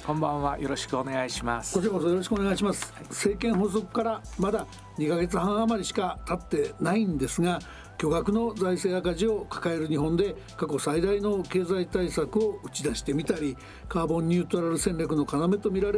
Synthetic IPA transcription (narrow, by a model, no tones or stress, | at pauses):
kõ̞mbãɰ̃βajo̞ɾo̞ɕi̥kɯone̞ɡaiɕimaskoɕkosojo̞ɾo̞ɕ̬i̥kɯoneaiɕ̬imasɨ̥se̞ːkẽ̞ɰ̃ɦo̞s̬o̞kɯ̥kaɾamad̪a | ɲ̟ikaɡe̞t͡sɨhãɰ̃amaɾʲiɕi̥kat̪at̪ːe̞naĩnd̪e̞sɨɡa | kʲo̞ɡakɯ̟nod͡zaise̞ːakaʑio̞kḁkae̞ɾɯ̟ɲ̟iɦõ̞nd̪e̞ | kako̞said̪aino̞ke̞ːzait̪aisakɯ̟o̞ɯ̟t͡ɕid̪aɕi̥t̪e̞mʲit̪aɾʲi | kaːbõ̞ɲ̟ːɨːt̪oɾaɾɯ̟sẽ̞nʲɾʲak̬ɯ̟no̞kaname̞t̪o̞mʲiɾaɾe